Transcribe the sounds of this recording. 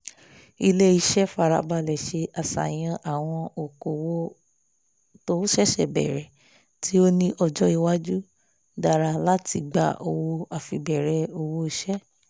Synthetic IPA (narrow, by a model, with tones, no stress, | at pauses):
i˧le˦i˧ʃɛ˦fa˨ɾa̰˧ba˧lɛ˨ʃe˧a˨sa̰˨j̃ã˧ʔa˨w̃ɔ̃˧o˨ko˨wo˦ | to˦ʃɛ˦ʃɛ̰˨bɛ̰˨ɾɛ˨ | ti˦o˦nĩ˦ʔɔ˧d͡ʒɔ˦i˧wa˦d͡ʒu˦ | da˧˨ɾa˧la˦ti˧ɡ͡ba̰˧˦ʔo˧wo˧a˨fi˧bɛ˨ɾɛ˨o˧wo˦i˧ʃɛ˦